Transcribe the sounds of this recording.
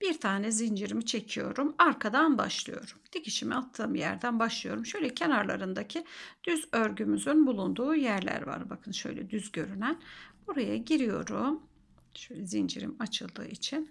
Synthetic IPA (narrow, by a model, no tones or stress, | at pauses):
b̥iɾt̪ʰaːnɛzind͡ʒiɾimit͡ʃʰe̞cʰijo̞̰ɾumaɾkʰad̪anba̰ʃlˠɯ̰jo̞̰ɾumd̪̥iciʃimiat̪ʰːɯːmjæ̰ɾd̪ænbaʃlˠɯjo̞ɾumʃø̞jlʲɛcʰenaɾlˠa̰ɾɯnd̪acʰid̪̥yzøɾɟymyzynbulˠund̪uːjæɾlʲæ̰ɾva̰ɾbakʰɯnʃø̰jlʲɛ̰d̪yzɟø̞ɾynænb̥uɾajaɟiɾijo̞̰ɾum | ʃøjlʲɛzind͡ʒḭɾḭmat͡ʃʰɯlˠd̪ɯ̰ːʔit͡ʃʰin